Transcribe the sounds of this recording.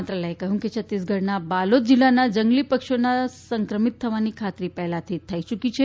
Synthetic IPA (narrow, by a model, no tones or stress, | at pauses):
t̪ɾaləekəɦũket͡ʃʰət̪ːisɡʱəɽnabalot̪̚d͡ʒilːanad͡ʒəŋɡlipəkʃonasəŋkɾəmit̪ʰːəʋanikʰat̪ɾipɛɦlat̪ʰit̪ʰːait͡ʃukit͡ʃʰe